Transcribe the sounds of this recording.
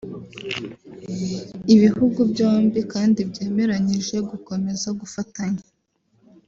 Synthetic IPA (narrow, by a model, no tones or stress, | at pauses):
iβihuɡubɟo̞ːmbikaːndibɟe̞ːme̞ɾaɲiʒe̞ɡuko̞me̞zaɡufataɲe